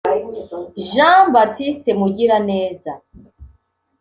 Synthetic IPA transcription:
ʒãbatistemuɟiɾane̞ːza

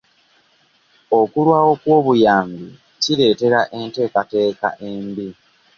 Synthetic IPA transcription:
o̞kulwaːwo̞kwo̞ːβujaːmbi | ciɾe̞ːte̞ɾaʔe̞nte̞ːkate̞ːka̰ʔe̞ːmbi

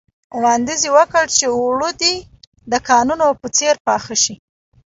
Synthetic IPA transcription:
wɑnd̪iziwəkəɽt͡ʃeɽud̪i | d̪əkɑnunopət͡seɾpɑxaʃi

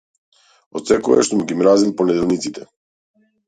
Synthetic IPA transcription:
ɔt̪sɛkɔ̰ja̰ʃt̪umɡimɾazilˠpɔnɛd̪ɛlˠnit̪sit̪ɛ

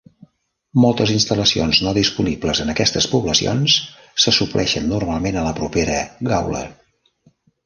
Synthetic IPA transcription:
mɔlˠt̪əzinst̪ələsionznoðispunibləzənəkɛst̪əspuβləsio̰ns | səsuplʔɛʃənːurmalˠmenələpɾupeɾəɣawlə̰

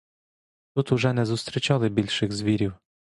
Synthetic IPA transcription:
t̪ut̪ʊʒɛnɛzʊst̪ɾʲit͡ʃɑlˠɪbʲilʲʃɪxzʋʲiɾʲiw

